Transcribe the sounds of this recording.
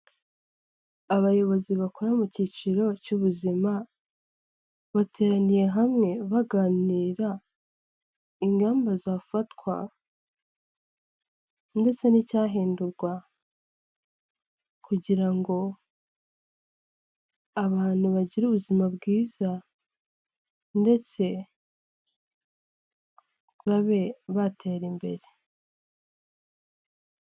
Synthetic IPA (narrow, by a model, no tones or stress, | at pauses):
aβajo̞βo̞ziβako̞ɾamucit͡ʃiɾo̞cuβuzima | βate̞ːɾanije̞ɦamŋe̞βaɡaːniːɾa | iŋɡaːmbazaːfatwa̰ | nde̞t͡se̞nicaːɦiːnduɾɡwa | kʰuɟiɾaŋɡo̞ | aβaːn̥huβaɟiɾuːβuzimabɡiːza | nde̞t͡se̞ | βaβe̞βatʰe̞ːɾimbe̞̰ɾe